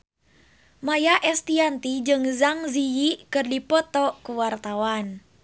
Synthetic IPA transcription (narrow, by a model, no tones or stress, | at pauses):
majaʔɛst̪iant̪id͡ʒɨŋzaŋzijikɨrdipɔt̪ɔkuwart̪awan